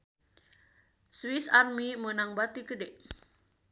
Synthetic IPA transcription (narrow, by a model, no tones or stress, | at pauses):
swisarmimənaŋbat̪ikədɛʔ